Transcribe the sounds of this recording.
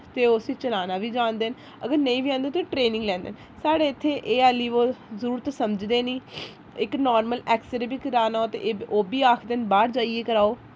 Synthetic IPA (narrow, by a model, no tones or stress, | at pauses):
t̪eːʊsiːt͡ʃəlaːnaːʋiːd͡ʒãːnd̪eːn | əɡəɾnəĩːʋiːãːnd̪eːt̪oʈɾeːnɪ̃ŋɡlɛ̃ːnd̪ḛːn | saːɽeːɪt̪ʰːeːʔeːaːlːiːʋoːzəɾuːɾt̪oːsəməd͡ʒd̪eːniː | ɪknaːɾməlɛːkseɾbiːkəɾaːnaːoːt̪ḛoːbiːaːkʰd̪eːnbaːɾd͡ʒaːieːkəɾaːoː